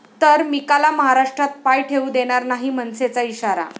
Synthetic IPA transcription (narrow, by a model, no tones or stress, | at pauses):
t̪əɾmikalaməɦaɾaʂʈɾat̪̚pajʈʰeud̪eɽ̃aɾnaɦimənset͡saiɕaɾa̰